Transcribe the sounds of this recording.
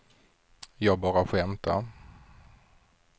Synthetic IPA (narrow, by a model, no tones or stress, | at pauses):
jɑːɡbɑːɾaɧɛmt̪ʰa̰